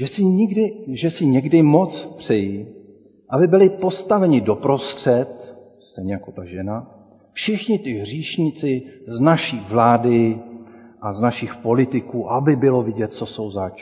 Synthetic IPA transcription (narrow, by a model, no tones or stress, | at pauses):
ʒɛsɪɲɪɡdɪʒɛsɪɲɛɡdɪmo̞t͡spr̥ɛjɪ | ʔabɪbɪlɪpo̞st̪avɛɲɪdo̞pɾo̞st̪r̝̥ɛt̪ | st̪ɛjɲɛjako̞t̪aʒɛna | fʃɪxɲɪt̪ɪɦr̝iːʃɲit͡sɪznaʃiːvlaːdɪ | ʔaznaʃɪxpo̞lɪt̪ɪkuːʔabɪbɪlo̞vɪɟɛt̪̚t͡so̞so̞wzaːt͡ʃ